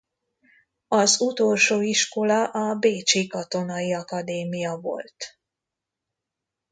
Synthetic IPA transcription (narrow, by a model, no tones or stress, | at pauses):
ɒzut̪olʃoːiʃko̞lɒʔɒbeːt͡ʃikɒt̪o̞nɒjiɒkɒd̪eːmijɒvo̞̰lt̪